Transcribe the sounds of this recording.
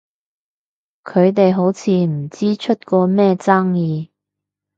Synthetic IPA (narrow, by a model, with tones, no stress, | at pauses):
kʰɵ˨˧ɥt̪̬e˨jɦo˨˥wt͡sʰiː˨˧m̩˨˩t͡siː˥t͡ʃʰɵ˥t̚kɔː˧mɛː˥˧t͡sɐ˥ŋjiː˨˧